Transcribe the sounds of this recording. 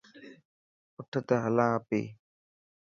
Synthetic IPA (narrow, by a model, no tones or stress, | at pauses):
ʊʈʰt̪əɦəlãːpḛː